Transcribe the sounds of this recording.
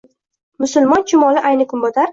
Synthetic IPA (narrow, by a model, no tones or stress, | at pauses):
mʊsʊlmɒnt͡ʃʰɪmɒlɪʔajnɪkʰʊnbɒt̪ʰaɾ